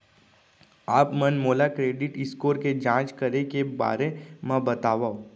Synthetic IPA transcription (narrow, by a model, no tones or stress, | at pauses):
aːpmənmoːlakɾeːɖɪʈɪskoːɾked͡ʒãːt͡ʃkɐɾekeba̰ːɾemɛ̃bɐt̪aːʋao